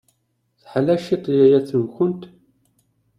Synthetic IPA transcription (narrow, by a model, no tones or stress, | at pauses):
θħlæʃit̪ˤjæjæθəmçʊnt̪